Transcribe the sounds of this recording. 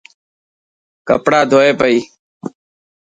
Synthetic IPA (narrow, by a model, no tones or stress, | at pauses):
kɐ̰pɽaːd̪ʱoːeːpəiː